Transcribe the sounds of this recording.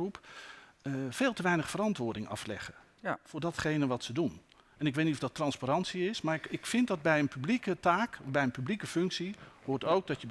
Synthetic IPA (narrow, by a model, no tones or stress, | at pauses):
rup | v̥eːlˠtəʋɛjnəχfəɾɑntʋʊːɹdɪŋɑ̰flɛ̰χə | fʊːɹdɑtχejnəʋɑtsədun | ɛnɪkʋejtnitɔvdɑtrɑnspaɾɑntsiɪsmaːrɪkfɪnt̚dɑd̚bɛjənpyblikətaːkbɛjənpyblikəfɵŋksihʊːɹtowɡ̚dɑtəb